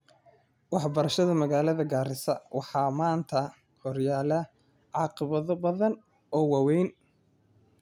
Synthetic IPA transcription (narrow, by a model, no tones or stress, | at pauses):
wɑħbɐɾɐʃɐðɐmɐɣaːlɐðɐɡaːɾɪsɐwɑħɑːmaːnt̪ʰɐ | hɔrjaːlɐ | ʕɑːqɪβɐðɔbɐðɐn | ɔːwɑwɛjn